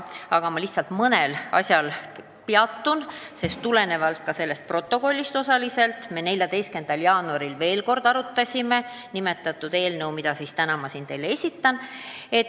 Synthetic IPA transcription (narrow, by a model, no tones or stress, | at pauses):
ɑɡ̥ɑmɑliht̪sɑlt̪mɤne̞lɑ̰sʲjɑl | piɑt̪ːun | se̞st̪ːule̞ne̞vɑlt̪̚kɑse̞lːe̞st̪̚pro̞t̪ːˑo̞ko̞lʲːist̪o̞sɑlise̞lt̪me̞ne̞lʲjɑd̪e̞jst̪ke̞nd̪ɑljɑːnuɑɾilve̞ːlko̞rd̪̥ɑɾut̪ːˑɑsʲime̞ | nime̞t̪ːˑɑt̪ːˑud̪̥e̞ːlnəwmid̪̥ɑsist̪ænɑmɑsiːnt̪e̞jlee̞sʲit̪ːɑne̞t̪